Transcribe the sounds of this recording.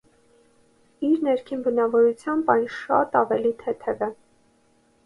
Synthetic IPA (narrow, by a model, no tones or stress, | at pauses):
iɾnɛɾkʰinbənɑvɔɾut͡sʰjɑmbɑjnʃɑ̰t̪ɑvɛlit̪ʰɛt̪ʰɛvɛ